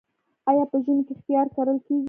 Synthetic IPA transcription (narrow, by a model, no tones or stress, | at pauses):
ɑjɑpəʒənkext̪jɑɾkaɾəlkeɡ